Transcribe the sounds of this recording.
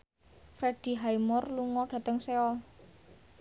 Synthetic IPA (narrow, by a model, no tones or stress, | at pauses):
fɾed̥i̤ɦaimɔrluŋɔɖ̥ä̤t̪əŋseɔl